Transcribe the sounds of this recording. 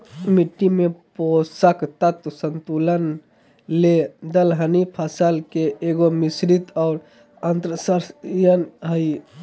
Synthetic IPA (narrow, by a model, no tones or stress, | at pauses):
miʈːimẽposəkt̪ət̪sənt̪uːlən | led̪əlɦənipʰəsəlkeeɡomisɾit̪ɔːɾ | ɐnt̪ɾəsəɾsjənɦəi